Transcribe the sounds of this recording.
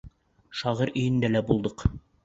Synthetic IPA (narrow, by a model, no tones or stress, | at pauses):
ʃɑʁɤɾɵ̆jɘ̆nd̪ælæbulˠd̪ɤq